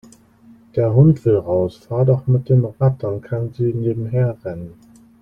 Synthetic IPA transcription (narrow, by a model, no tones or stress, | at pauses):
d̥eːɐɦʊntv̥ɪlʁaʊsfaːɐdɔχmɪt̚d̥eːnʁatɐnkʰanziːneːbm̩ɦeːɐʁɛnən